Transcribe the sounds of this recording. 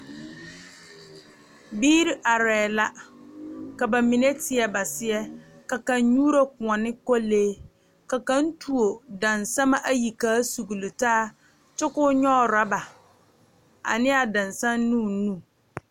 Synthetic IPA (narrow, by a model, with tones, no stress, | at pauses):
biː˦ɾi˦ʔa˨ɾɛː˨la˦ | ka˨ba˨mĩ˨nẽ˦tʰɪ˨ɛ˨ba˨sɪ˦ɛ˦ka˨kã˨n˦ɲu˦ɾa˦kʊ̃˨ɔ̃˨nɪ̃˦kɔ˦leː˦ | ka˨kã˦n̩˦tʰu˨o˨dã˨nsã˦ma˦ʔa˦ji˨kaː˦su˨ɡu˨lu˨taː˦ | t͡ʃʊ˦kʊ˦ɲɔ˦˨ɾa˦ba˨ | a̰˨nɪ̃˦a˨dã˨nsã˦nː˦ũ˦˨˦nũ˦